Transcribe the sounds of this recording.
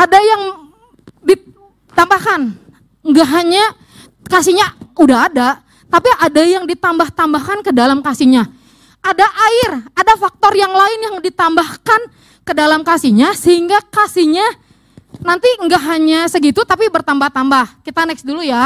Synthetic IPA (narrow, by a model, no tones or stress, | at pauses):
ʔadajaŋ | di | t̪ambahkan | ŋɡaɦaɲa | kasiɲaudaɦːda | t̪apiʔadajaŋdit̪ambaht̪ambahkankədalamkasiɲa | ʔadaʔaɪradafak̚t̪ɔrjaŋlaɪnjaŋdit̪ambahkan | kədalamkasiɲasəɦhiŋɡakasiɲa | nant̪iəŋɡaɦaɲasəɡit̪ut̪apibərt̪ambaht̪ambahkit̪anɛksduluja